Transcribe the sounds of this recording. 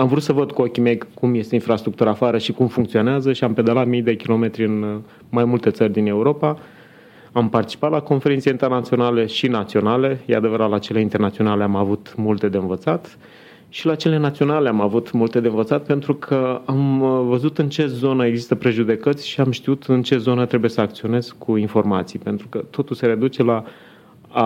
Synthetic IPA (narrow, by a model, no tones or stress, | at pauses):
amvɾut̪səvəd̪kuokʲime̞jkumje̞st̪e̞infɾast̪ɾukt̪uɾaːfaɾəʃikumfuŋk̚t̪sio̞neazəʃiamped̪əlat̪mijd̪e̞kʲilo̞me̞t̪ɾʲiɨn | majmult̪e̞t̪sərʲd̪ine̞uɾo̞pa | ampart̪i̥t͡ʃi̥pat̪lako̞nfe̞ɾint̪seint̪e̞rnat̪sio̞naleʃinat̪sio̞nale̞jead̪e̞vəɾat̪lat͡ʃe̞leint̪e̞rnat̪sio̞nale̞amavut̪mult̪e̞d̪e̞ɨnvət̪sat̪ | ʃilat͡ʃe̞le̞nat̪sio̞nale̞amavut̪mult̪e̞d̪e̞ɨnvət̪sat̪pe̞nt̪ɾukʰəamvəzut̪ɨnt͡ʃe̞zo̞nəeɡzist̪əpɾe̞ʒud̪e̞kət̪sʲʃiamʃt̪iut̪ɨnt͡ʃe̞zo̞nət̪ɾe̞buje̞səakt̪sio̞ne̞zkuinfo̞rmat̪sijpe̞nt̪ɾukət̪o̞t̪ulse̞ɾe̞d̪ut͡ʃe̞la